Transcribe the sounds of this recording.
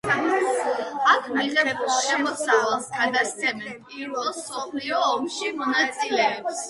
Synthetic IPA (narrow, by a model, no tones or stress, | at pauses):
akʰmiʁɛbuʃɛmɔsavɛlˠsɡad̪ast̪sʰɛmɛnpʼiɾvɛlˠsɔpʰliɔːmʃimɔnat̪sʼilɛɔps